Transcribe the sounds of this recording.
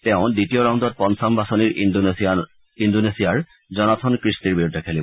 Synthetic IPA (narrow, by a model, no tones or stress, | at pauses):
tɛʊ̃ditijɔɹaʊ̃ndɔt̚pɔnsambasɔniɹ | indonesijaɹ | zɔnatʰɔnkɹistiɹbiɹudʱɛkʰɛlibɔ